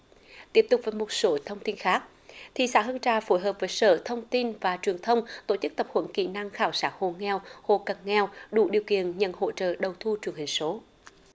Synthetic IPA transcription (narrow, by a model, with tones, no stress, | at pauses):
t̪i˦˥əp̚t̪ʊ˨˩k͡p̚vəː˨˦jmo˨˩t̚so˨˦t̪ʰə˧wŋ͡mt̪i˧nxaː˦˥k̚ | t̪ʰi˨saː˧˥ɦɨ˧nt͡ɕaː˧˩fo˨˦jɦəː˨˩p̚vəː˨˦jsəː˧˩t̪ʰə˧wŋ͡mt̪i˧nvaː˨˩t͡ɕwi˨˩ənt̪ʰə˧wŋ͡mt̪o˧˩t͡ɕɨ˦˥k̚t̪ə˨˩p̚hwə̰˧˩nkḭ˧˩na˧ŋxaː˧˩wsaː˦˥ho̰˧˨ŋɛ˧who̰˧˨ka˨˩ŋŋɛ˧wɗṵ˧˩ɗi˨˩əwkḭ˧˨ənɲə̰˧˨nho̰˧˨t͡ɕə̰ː˧˨ɗə˨˩wt̪ʰu˧t͡ɕwi˧˩əŋhï˨˩ŋ̟so˨˦